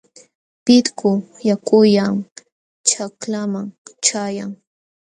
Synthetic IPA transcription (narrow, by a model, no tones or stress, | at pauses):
pɪt̪kʊjakʊjaŋ | t͡ʃaklamaŋt͡ʃajaŋ